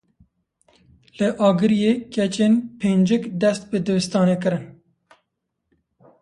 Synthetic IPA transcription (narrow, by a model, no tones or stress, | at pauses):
lɨʔɑːɡɨɾijekɛt͡ʃeːnpʰeːnd͡ʒɪkd̪ɛst̪̚bɨd̪ɨwɨst̪ɑːneːkɨɾɨn